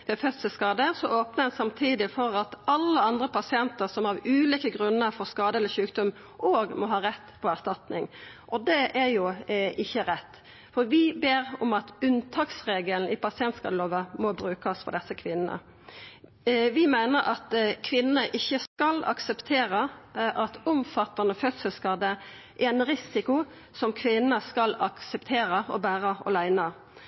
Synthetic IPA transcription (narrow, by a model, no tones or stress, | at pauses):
ʋɛfœt̪səskɑːd̪əsɔʔoːpnəɛnsɑmt̪ʰiːd̪ɪfɔɾɑt̪ɑlːəɑnd̪ɾəpʰɑsɪɛnt̪əɾsɔmɑʋʉːliːkəɡɾʉnːəɾfɔɾskɑːd̪əɛlːəʃʉːkd̪ɔm | ʔoːɡmɔɦɑːɾɛt̪ːpʰɔæʁst̪ɑt̪nɪŋʔɔd̪ɛʔæɾjʊʔɪçːəɾɛt̪ː | fɔɾʋɪbeːɾɔmɑt̪ʉnt̪ʰɑːksʁeːɡəln̩ɪpɑsɪɛnt̪skɑ̰ːd̪əloːʋəmɔbɾʉːkəsfɔ̰d̪ɛsːəkʰʋɪnːə̰ | ʋɪmæɪnəɾɑt̪kʰʋɪnːəʔɪçːəskɑlɑ̰ksɛpt̪ʰeːɾəʔɑt̪ʊmfɑt̪ːɑnəfœt̪səlskɑd̪ə | ʔæɛnɾɪsɪkʊ | sɔmkʰʋɪnːəskɑlɑksɛpt̪ʰeːɾəɔbæːɾəɔ̰læɪnɑ